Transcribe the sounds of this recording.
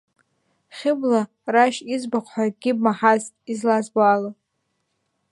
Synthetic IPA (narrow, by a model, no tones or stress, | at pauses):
χʲɪbla | raʃizbaqʷʰħʷaɡʲɪbmaħaz | izlazbala